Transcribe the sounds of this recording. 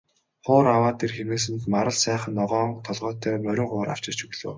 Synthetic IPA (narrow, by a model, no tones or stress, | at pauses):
χʊːɾawaːt̪ʰerxemeːs̬ɘ̆nt̪maɾə̆ɮsæːχə̆nːɔʁɔːɴt̪ʰɔɮʁɔːt̪ʰːœːmœɾʲɪ̆ŋχʊːɾa̰w̥t͡ɕɪ̥̆t͡ɕɵɣɮo̰ː